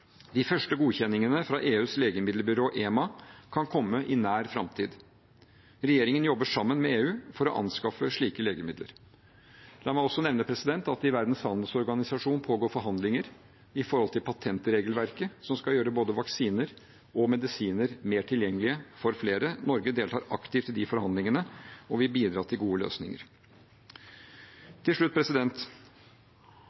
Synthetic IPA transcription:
d̪ɪfœʂʈəɡuːçɛnːɪŋənəfɾɑʔeːʉːsleːɡəmɪd̪lbʏɾoːʔeːmɑkʰɑnkʰɔmːəʔɪnæːɾfɾɑmt̪ʰiːd̪ | ɾɛjeːɾɪŋənjɔbːəʂɑmːənmɛeːʉːfɔɾɔʔɑ̰nskɑfəʂɭiːkəleːɡəmɪd̪lə̰ɾ | lɑːmæɪɔsːɔnɛʋnəpʰɾɛsɪd̪ɛnt̪ɑt̪̚d̪ɪʋæɾd̪nshɑnd̪sɔɾɡɑnɪsɑʂuːnpʰoːɡoːɾfɔɾɦɑnd̪lɪŋəɾ | ɪfɔɾhɔlt̪ʰɪlpʰɑt̪ʰɛnt̪ɾeːɡəlʋæɾkəsɔmskɑljøːɾəboːd̪əʋɑksiːnəɾ | ɔmɛd̪ɪsiːnəɾmeːʈʰɪljɛŋːəlɪəfɔɾfleːɾənɔɾɡəd̪eːlt̪ʰɑ̰ːɾɑkt̪ʰɪːft̪ːɪld̪ɪfɔɾhɑnd̪ɪŋənəɔʋɪbiːd̪ɾɑːt̪ʰɪlɡuːəlø̰ːsnɪ̰ŋə̰ɾ | t̪ʰːɪlʂɭʉt̪̚ːpʰɾɛsɪd̪ɛnt̪

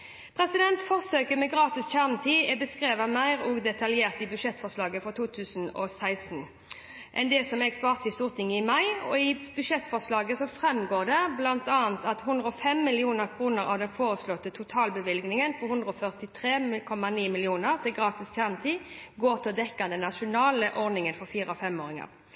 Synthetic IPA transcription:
pʰʁɛsɪd̪ɛnt̪fɔʁsøːkəmɛɡʁɑːt̪ɪsçʰæʁnət̪ʰiːɛbəskʁeːʋɑmæɪʁɔɡd̪ɛt̪ɑljeːʁt̪ɪbʉʂɛt̪ːfɔʁslɑːɡəfɔʁt̪uːt̪ʰʉːsənɔ̰sæɪsn | ʔɛnd̪ɛsɔmɛɡsʋɑːʁt̪ɪst̪uːʁt̪ʰɪŋːəɪmɑɪɔ̰ɪb̥ʉʂɛt̪ːfɔʁslɑːɡəsɔfʁɛmːɡoːʁd̪ɛblɑnt̪ɑːnt̪ɑt̪hʉnd̪ɾəɔfɛmːɪlɪuːnəʁkʰʁuːnəɾɑ̰ʋd̪ɛnfoːʁəslɔt̪ət̪ʰʊt̪ʰɑːlbəʋɪlɡnɪŋənpʰɔhʉnd̪ʁəɔfœʁt̪ɪt̪ʰʁeːmkʰɔmɑniːmɪlɪuːnəʁt̪ʰɪlɡʁɑːt̪ɪsʰjæʁmət̪iːɡoːʁt̪ʰɪld̪ɛkːɑnd̪ənɑʃʊnɑːləʔɔʁnɪŋənfɔɾfiːɾəɔfɛmoːɾɪŋɑ̰ʁ

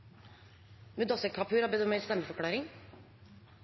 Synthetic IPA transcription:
mʉd̪ɑsəkʰɑpʰʉːɾɑːbɛd̪ɔmeːlst̪ɛmːəfɔkʰlɑːɾɪŋ

